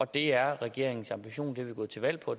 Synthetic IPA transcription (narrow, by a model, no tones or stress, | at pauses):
ɒ̽d̥e̝æɐʁɛɡ̥e̝ɐ̰eŋn̩sɑ̈mb̥iɕo̝̰ːnd̥e̝ʋeɡ̥ɔ̰ːt͡sʰe̝ʋæl̰pʰɒ̽